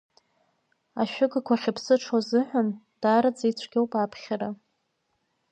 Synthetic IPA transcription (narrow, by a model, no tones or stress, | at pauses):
aʃᶣʊɡakʷʰaχʲɪpʰsɨʈ͡ʂʰwazɨħʷᶣan | d̥aːɾad͡zejt͡sʷʰɡʲowpʼaːpʰχʲaɾa